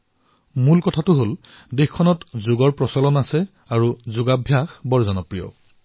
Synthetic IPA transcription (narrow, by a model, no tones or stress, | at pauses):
mulkɔtʰatʊɦol | dexkʰːɔnɔtzʊɡɔɹpɹɔsɔlɔnasɛ | aɹuzʊɡabʱjaxbɔɹzɔnɔpɹijɔ̰